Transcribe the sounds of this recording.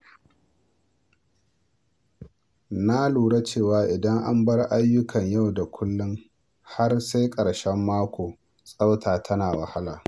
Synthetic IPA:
na˦luː˨ɽa˦t͡ʃeː˦˨waː˨ʔɪ˨dɐ˦ŋʔa̰˦mbɐ˦rʔa˦jːʊ˦kʰɐ˨ɲja˦˨wda˨kʷʰʊ˦lːʊ˦ŋ | ha˦rsa˦jkʼɐ˨ɽʃɛ˦mːaː˦kʷoː˨ | sʼa˦wtʰaː˨tʰɐ˦naː˨wɐ̰˨ha˦la̰ː˨

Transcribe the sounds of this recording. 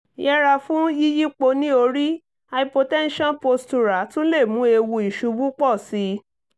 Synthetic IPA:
jɛ˦ɾa˧fũ˦i˦ji˦k͡po˧nĩ˦o˧ɾi˦ | a˧i˧po˧tɛ̃˦n˦ʃɔ̃˦npo˧stu˧ɾa˨˦tũ˦le˦˨mũ˨˦e˧wu˧i˨ʃu˨˧bu˦k͡pɔ˦˨si˧˦

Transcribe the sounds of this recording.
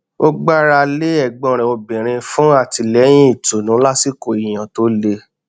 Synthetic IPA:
o˦ɡ͡ba˦ɾa˧le˦ɛ˦˨ɡ͡bɔ̃˨ɾ̃ɛ̃˨o˧bĩ˨ɾ̃ĩ˧fũ˦a˦˨ti˧lɛ˨˦j̃ĩ˦i˦˨to˨nũ˨˦la˦si˦˨ko˨i˨j̃ã˨to˦le˧

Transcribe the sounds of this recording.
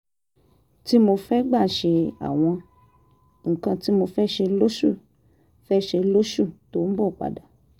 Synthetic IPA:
ti˦mo˧fɛ˦ɡ͡ba˦˨ʃe˧a̰˨w̃ɔ̃˧ | ŋ̩˨kã˧ti˦mo˧fɛ˦ʃe˧lo˦ʃu˦˨ | fɛ˦ʃe˧lo˦ʃu˦˨to˨˦n̩˦bɔ˦˨k͡pa̰˨da˨

